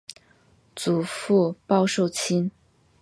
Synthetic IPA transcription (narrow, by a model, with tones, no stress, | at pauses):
t͡su˨˩fu˥˧pɑ˥ʊʂo˥˩ʊt͡ɕʰi˥n